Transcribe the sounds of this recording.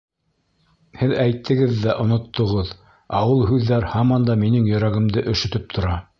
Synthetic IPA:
hɘðæjt̪ʰːɘ̆ɡɘðːæʔŏnŏt̪ʰːŏʁɤð | ɑwɤlˠɦʉðːæɾhɑmɑnd̪ɑminɘŋjɵ̆ɾæɡɘ̆md̪ɘʔɵ̆ʃɵ̆t̪ɵp̚t̪ʰŏɾɑ

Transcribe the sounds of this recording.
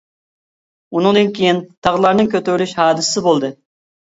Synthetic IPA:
unɨŋd̪ɨnkʲʰejint̪ʰɑʁlˠɑɾnɨŋkʲøt̪yɾlyʃhɑːd̪ɨssɪbolˠd̪ɨ

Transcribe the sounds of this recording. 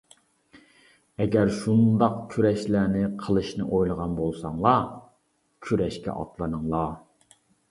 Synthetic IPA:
ɛɡʲæɾʃund̪ɑqkʲʰyɾɛʃlæːnɪqʰəlˠɨʃnɨ̰ʔojlˠəʁɑnbolˠsɑŋlˠɑ | kʲʰyɾɛʃkʲʰɛ̰ʔɑ̰t̪lˠɨnɨŋlˠɑ

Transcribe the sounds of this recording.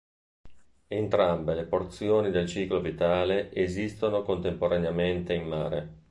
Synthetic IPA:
ent̪ɾambeleport̪sjoːnid̪elt͡ʃiːklovit̪aːleʔezist̪onokont̪empoɾaneament̪eimːaːɾe

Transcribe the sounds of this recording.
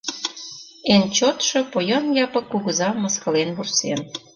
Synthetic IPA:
ent͡ɕot̪ʃopojɑnjɑpə̆kːuɣə̆zɑmə̆skɤ̆lenβursen

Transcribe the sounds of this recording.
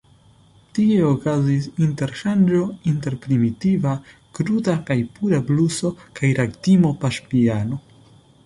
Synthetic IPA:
tie̞okazisinte̞ɾʃand͡ʒo̞inte̞ɾpɾimitiva | kɾudakajpuɾabluso̞kajɾaktimo̞paʃpiano̞

